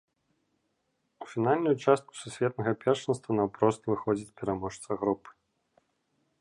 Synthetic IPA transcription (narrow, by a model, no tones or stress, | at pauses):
ufʲinalʲnujut͡ʂast̪̚ku̥susʲvʲɛt̪nɐɣɐpʲɛrʂɨnst̪vɐnɐwpɾɔst̪vɨxɔd͡zʲit͡sʲpʲɛɾamɔʂt̪sɐɣɾupɨ̥